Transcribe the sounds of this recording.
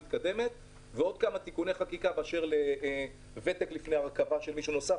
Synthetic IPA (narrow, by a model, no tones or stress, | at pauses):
it̪kad̪e̞me̞t̪ | veo̞d̪̚kamat̪ikuneχakikabeaʃe̞ʁle | ve̞t̪eklifneaʁkavaʃelmiʃuno̞sa